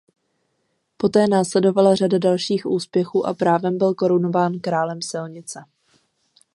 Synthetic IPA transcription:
po̞t̪ɛːnaːslɛdo̞valar̝adadalʃiːxʔuːspjɛxuːʔa̰pɾaːvɛmbɪlko̞ɾuno̞vaːnkɾaːlɛmsɪlɲɪt͡sɛ

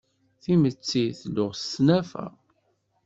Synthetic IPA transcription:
θimət͡sːiθlʊʁstnæfæ̰

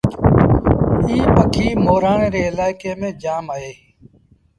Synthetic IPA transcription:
iːpəkʰiːmoːɾaːɳẽːɾeːɪlaːɪkeːmẽːd͡ʒaːmaːeː

